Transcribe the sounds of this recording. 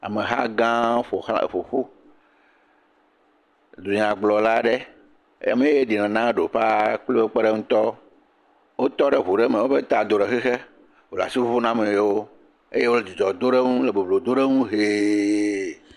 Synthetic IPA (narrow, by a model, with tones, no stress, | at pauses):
a̰˨mẽ˨ɦa̰˦ɡã˦fo˨xfo˨ɸu˦ | d̪u˨ɲã˨ɡ͡blɔ˨la˦ɖe˦ | ḛ˦ja̰˨mẽ˨je˦je˦ɖi˨nã˨nã˦ɖo˨ɸa˦k͡plo˦o˦k͡pe˦ɖe˦ŋũ˦t̪ɔ˦ | wo˦t̪ɔ˦ɖe˨ɦu˨ɖe˦mẽ˨wo˦ɸe˦t̪a˨d̪o˨ɖe˨xɛ˦xe˦ | wo˨la̰˨si˦fo˦ɸo˦nã˦mẽ˨jwo˦ | e˦je˦wo˦le˦d̪i˨d͡ʒɔ˨d̪o˦ɖe˦ŋũ˦le˨bo˨blo˨d̪o˦ɖe˦ŋũ˦ɦe˦